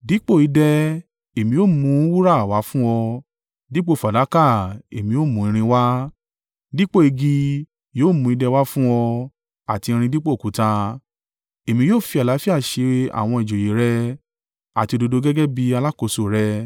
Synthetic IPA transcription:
di˨˦k͡po˦˨i˨˧˦dɛ˧ | e˨mĩ˧˦o˦˨mũ˧˦wu˦ɾa˦˨wa˨˦fũ˦wɔ˧ | di˦k͡po˦˨fa˨da˨˦ka˦˨ḛ˨mĩ˧˦jo˦˨mũ˨˦ĩ˧ɾ̃ĩ˧wa˦ | di˦k͡po˦˨e˧ɡi˧ | joː˦˨mũ˧i˧dɛ˧wa˦fũ˦ɔ˧ | a˨ti˧ɾ̃ĩ˧di˦k͡po˦˨ku˨˦ta˧ | e˨mĩ˧joː˦˨fi˧a˨la˨˦fi˦a˦˨ʃe˧a̰˨w̃ɔ̃˧e˨d͡ʒo˨je˨˦ɾɛ˦ | a˨ti˧o˧do˧do˧ɡɛ˦ɡɛ˦bi˧a˧la˦ko˧so˨ɾɛ˦

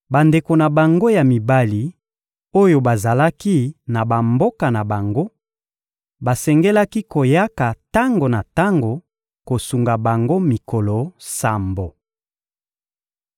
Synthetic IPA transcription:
ba˨nde˨ko˨na˨ba˨ŋɡo˦ja˨mi˨ba˦li˨ | o˦jo˨ba˨za˨la˦ki˦na˨ba˨mbo˦ka˨na˨ba˨ŋɡo˦ | ba˨sɛ˨ŋɡɛ˦la˦ki˦ko˨ja˦ka˨ta˦ŋɡo˨na˨ta˦ŋɡo˨ | ko˨su˨ŋɡa˨ba˨ŋɡo˦mi˨ko˨lo˨sa˨mbo˨

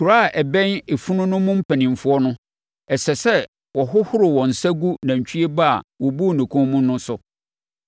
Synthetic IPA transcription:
kʰu˨ɾa˦˨ʔɛ˨bɛ̃˦ne˨fu˦nʊ̃˦nʊ̃˦mʊ̃˦m̩˦pʰæ̃˨nĩ˨m˨fʊ˦ɔ˦nʊ̃˦ | ɛ˨sɛ˨sɛ˦ | wɔ˨ɦʊ˦hʊ˦ɾɪ˨wɔ̃˨n̩˨sa˦ɡu˦nã˨ɲ̩˨t͡ɕᶣʰi˦e˦ba˦a̰˨wɔ˨bu˦˨nĩ˨kʰʊ̃˦mũ˦nʊ̃˦sʊ˨

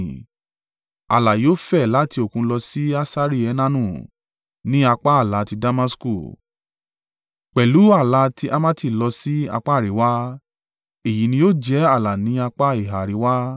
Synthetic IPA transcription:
a̰˨la˨joː˦fɛ˦˨la˨˦ti˧o˨kũ˧lɔ˧si˦a˦sa˦ɾi˦˨ɛ˨˧˦nã˦nũ˦˨ | nĩ˦a˧k͡pa˦a˦˨la˨˦ti˧da˧ma˦sku˦˨ | k͡pɛ˨lu˨˦a˦˨la˧˦tʰi˧ʔa˦mã˦ti˦˨lɔ˧si˦a̰˧k͡pa˦˨ɾi˨˦wa˦ | e˨ji˨˦nĩ˧jo˦˨d͡ʒɛ˨˦a˦˨la˨nĩ˨˦a˧k͡pa˦i˨ɦa˨ɾi˨˦wa˦

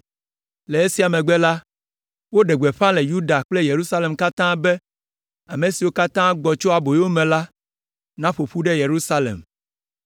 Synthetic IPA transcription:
le˨e˦si˦a˨mẽ˨ɡ͡bɛ˦la˦ | wo˦ɖe˨ɡ͡be˨ɸã˦le˨ju˦ɖa˨k͡ple˦je˨ɾu˦sa˦le˨mka˦t̪ã˦be˦ | a˨me˨si˨wo˦ka˦t̪ã˦ɡ͡bɔ˨t͡ʃɔ˦a˨bo˨jo˦mẽ˨la˦ | nã˦ɸo˨ɸu˦ɖe˦je˨ɾu˦sa˦lḛ˨m

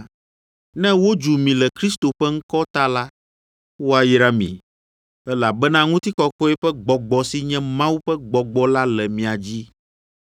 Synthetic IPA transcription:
nɛ̃˦wo˦d͡ʒu˨mĩ˨lɛ˨kɾi˦st̪o˨ɸɛ˦ŋ̩˦kɔ˦t̪a˦la˦ | wo˦a˨ji˦ɾa˦mḭ̃˨ | ɛ˦la˨bɛ˦nã˦ŋũ˦t̪i˦kɔ˦kɔ˦ɛ˦ɸɛ˦ɡ͡bɔ˨ɡ͡bɔ˨si˦ɲɛ̃˦mã˦wu˦ɸɛ˦ɡ͡bɔ˨ɡ͡bɔ˦la˦lɛ˨mĩ˨a˨d͡ʑi˦

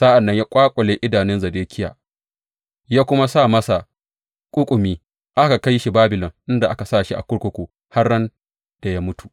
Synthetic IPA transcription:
sa˦ʔa˨nːɐ˦ɲjaː˦kʷʼaː˦kʷʼɔ˨leː˦ʔɪ˦daː˨nɪ˦nzɐ˨deː˦kʰʲɪ˦ja̰ː˨ | jaː˦kʷʊ˦ma˦saː˦˨mɐ˦sa˨ | kʷʼʊ˦kʷʼʊ˨miː˦ | ʔa˦ka˨ka˦jʃi˦baː˦bɪ˨lɔ˨ŋʔɪ˦nda˨ʔa˦ka˨saː˦˨ʃi˦ʔa̰˨kʷʊ˦ɽkʷʊ˦kʷuː˨ | ha˦rːɐ˦n | d̥a˨jaː˦mʊ˦tu̥˨ʔ

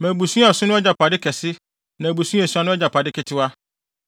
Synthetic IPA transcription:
mɛ̃˨bu˨sũ˦˨ɔ˨sʊ̃˦nʊ̃˦ɛ˦d͡ʑa˨pʰa˨dɪ˦kʰɛ˨sɪ˦ | nã˨bu˨sũ˦e˨su˦a˨˦nʊ̃˦ɛ˦d͡ʑa˨pʰa˨dɪ˦kɪ˨˦tʰɪ˦wa˦

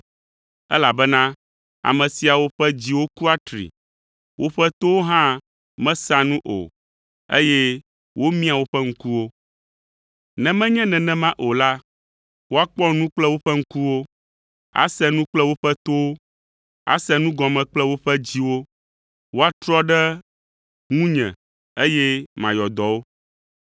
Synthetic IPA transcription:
ɛ̰˦la˨bɛ˦nã˦ | a̰˨mɛ̃˨si˨a˨wo˦ɸɛ˦d͡ʑi˦wo˦ku˦a˦t̪ɾḭ˨ | wʔo˦ɸɛ˦t̪o˦wo˦ɦã˦ | mɛ̃˦sã˦nũ˦ʔo̰˨ | ḛ˦jɛ˦ | wo˦mĩ˦a˨wo˦ɸɛ˦ŋ̩˦ku˦wo˦ | nɛ̃˨mɛ̃˦ɲɛ̃˦nɛ̃˨nɛ̃˦mã˦ʔo˨la˦ | wo˦a˦k͡pɔ˦nũ˦k͡plɛ˦wo˦ɸɛ˦ŋ̩˦ku˦wo˦ | a̰˦sɛ˦nũ˦k͡plɛ˦wo˦ɸɛ˦t̪o˦wo˦ | a̰˨sɛ˦nũ˦ɡɔ̃˨mɛ̃˨k͡plɛ˦wo˦ɸɛ˦d͡ʑi˦wo˦ | wo˦a˦t̪ɾɔ˦ɖɛ˦ | ŋũ˦ɲɛ̰̃˨ | e˦jɛ˦mã˨jɔ˨d̪ɔ˨wo˦

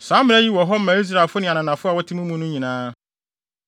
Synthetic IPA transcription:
sãː˨˦mɪ̃˦æ˦ji˦wɔ˨ɦɔ˦m̩˦mã˨i˦s̬ɾa˨e˨lfʊ˦nɪ̃˨a˨nã˨nã˨fʊ˦a˨wɔ˦tʰɪ˦mũ˦mũ˦nʊ̃˦ɲĩ˨nãː˦

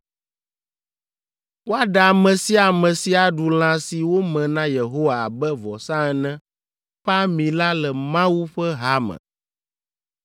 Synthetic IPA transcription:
wo˦a˦ɖa˨mɛ̃˨si˦a˨mɛ̃˨si˨a˨ɖu˨l̃ã˨si˨wo˦mɛ̃˨nã˦je˨ɦo˦wa˨a̰˨bɛ˦vɔ˨sã˦ɛ˨nɛ̃˦ | ɸa˦mĩ˨la˦lɛ˨mã˦wu˦ɸɛ˦ɦa˦mɛ̰̃˨

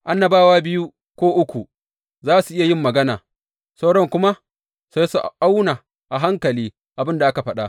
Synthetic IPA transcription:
ʔa˦nːa˨baː˦waː˦bɪ˦ju˦ | kʷoː˦ʔʊ˦kʷu˨ | zaː˦su˨ʔɪ˦ja˨jɪ˦mːɐ˨ɡɐ˦naː˨ | sa˦wɽɔ˦ŋkʷʊ˦ma˦ | sa˦su˨ʔʔa˦wnaː˨ | ʔa˨ɦa˦ŋkɐ˨liː˦ | ʔa˨bɪ˦nda˨ʔa˦ka˨ɸɐ˦ɗa˦

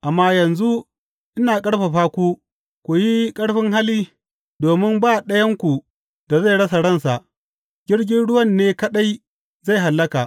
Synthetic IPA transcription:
ʔa˨mːaː˦jɐ˨nzu˦ | ʔɪ˦naː˨kʼɐ˦ɽɸa˨ɸaː˦kʷu˦ | kʷu˨ji˦kʼɐ˦ɽɸɪ˦ŋɦa˦liː˦ | doː˨mɪ˦mbaː˦˨ɗɐ˦jɐ˦ŋkʷu˨ | d̥a˨za˦˨jɽɐ˦sa˨ɽɐ˦nsa˨ʔ | ɡʲɪ˦ɽɡʲɪ˦nɽʊ˦wɐ˦˨nːeː˦kɐ˦ɗa˦j | za˦˨jɦa˨lːɐ˦ka˨ʔ

